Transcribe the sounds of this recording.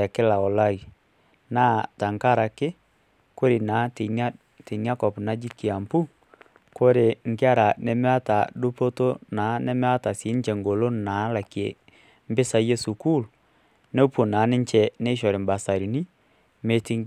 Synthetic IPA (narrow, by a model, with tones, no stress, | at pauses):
ɛ˨kɪ˦la˨o˨la˦i˨ | na˦ta˨ŋka˦ɾa˨kɪ˦ | ko˦ɾe˨na˨˦te˨na˦ | te˨n˦a˦kɔ˨pna˦d͡ʒi˦ki˨a˨mpu˦ | ko˦ɾe˨ŋɡe˦a˦ɾa˨ne˨me˦a˦ta˨do˦po˦to˦na˨˦ne˦me˦a˦ta˨si˨˦nt͡ʃɛ˨ŋɡo˨lo˦na˨˦la˨ki˨e˨ | m˦bɪ˦sa˦jɛ˦su˨ku˦l | ne˦u˦po˨na˨˦ne˦ɲt͡ʃɛ˨ne˦ʃ̬ɔ˨ɾe˨mba˨sa˨ɾi˨ni˦ | me˦ti˦ŋ